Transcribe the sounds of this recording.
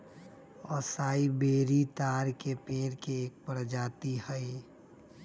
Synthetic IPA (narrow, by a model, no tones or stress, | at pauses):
ɔːsaːibeːɾit̪aːɾkepẽːɾkeːk̚pəɾd͡ʒaːt̪ihəi